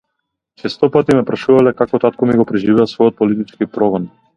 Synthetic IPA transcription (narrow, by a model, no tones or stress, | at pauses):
t͡ʃɛst̪ɔpat̪imɛpɾaʃuvalɛkakɔt̪at̪kɔmiɡɔpɾɛʒivɛasvɔjɔt̪̚pɔlit̪it͡ʃkipɾɔɡɔn